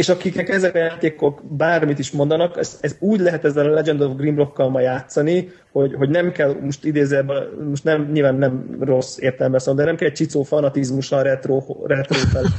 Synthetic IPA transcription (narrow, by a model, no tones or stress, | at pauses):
eːʃɒkik̪ɛkɛzɛkɒjaːt̪eːko̞kbaːrmit̪iʃmo̞nd̪ɒnɒkɛsɛzuːɟlɛɦɛt̪ɛzːɛlɒlɛd͡ʒɛnd̪ovɡrimblo̞kːɒlmɒjaːt̪sɒni | ho̞ɟɦo̞ɟnɛmkɛlmoʃt̪id̪eːzɛbmoʃt̪nɛmɲilvaːnːɛmro̞seːrt̪ɛlɛmbɛsɔond̪ɛnɛmkɛlɛc̚t͡ʃit̪soːfɒnɒt̪izmuʃɒɾɛt̪roːrɛt̪roːfɛl